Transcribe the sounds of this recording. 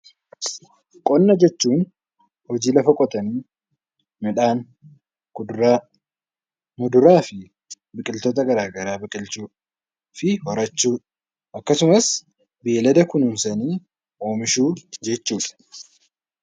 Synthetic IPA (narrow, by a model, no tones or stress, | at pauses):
kʼɔnːɐd͡ʒɛt͡ʃːuːn | hɔd͡ʒiːlɐfɐkʼɔt̪ʼɐniː | mɛᶑaːn | mʊd̪ʊɾaːfɪ | bɪkʼɪlt̪oːt̪ɐɡɐɾaːɡɐɾaːbɪkʼɪlt͡ʃuːᶑ | fɪhɔɾɐt͡ʃːuːᶑ | ʔɐkːɐsʊmɐs | bilɐd̪ɐkʊnʊnsɐniː | ʔo̞ːmɪʃuːd͡ʒɛt͡ʃːuːᶑɐ̥